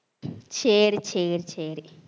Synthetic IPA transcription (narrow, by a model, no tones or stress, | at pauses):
t͡ʃʰeːɾit͡ʃʰeːɾit͡ʃʰeːɾi